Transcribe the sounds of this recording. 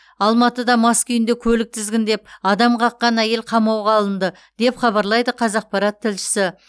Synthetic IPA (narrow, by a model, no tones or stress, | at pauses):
ɑlˠmɑt̪əd̪ɑmɑskʲʰʏjɪnd̪ekʲʰɵlɪk̚t̪ʰɪzɡʲɪnd̪e̞p̚ɑd̪ɑmqʰɑqːɑnæje̞lqʰɑmɑwʁɑlˠənd̪ə | d̪̥e̞pχɑbɑɾlˠɑjd̪əqʰɑzɑq̚pɑɾɑt̪ʰːɪlʃɪ̥sɪ